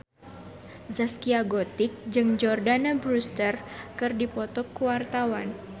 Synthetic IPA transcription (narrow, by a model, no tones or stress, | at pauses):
zaskiaɡɔt̪ɪk̚d͡ʒɨŋd͡ʒɔrdanabɾust̪ərkɨrdipɔt̪ɔkːuwart̪awan